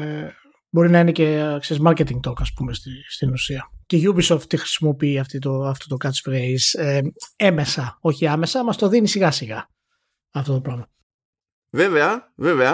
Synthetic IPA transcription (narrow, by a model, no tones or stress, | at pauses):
e | bo̞ɾinɐinece̞kseɾizmɐɾce̞t̪iŋɡt̪o̞kɐspumesist̪inusiɐceiʝubisoft̪t̪ixɾi̥simo̞piiɐft̪it̪oɐft̪ot̪okɐt͡sfɾezee̞me̞sɐo̞çiɐmesɐmɐst̪o̞ðinisiɣɐsiɣɐ | ɐft̪o̞t̪o̞plɐno̞ | veveɐveveɐ